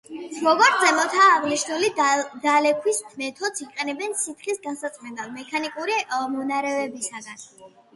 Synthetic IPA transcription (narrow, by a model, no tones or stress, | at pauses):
sɾɔɡaɾt̪zɛmɔt̪ʰaːʁliʃt̪ulid̪alɛkʰwist̪ʰmɛt̪ʰɔd̪siqʼɛnɛbɛnsit̪ʰχisɡansat̪sʼmɛnd̪almɛkʰanikʼuɾimɔnaɾɛvɛbisaɡan